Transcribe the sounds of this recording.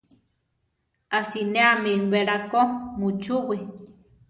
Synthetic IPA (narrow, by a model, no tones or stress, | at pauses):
asineamibeɾakomut͡ʃuwi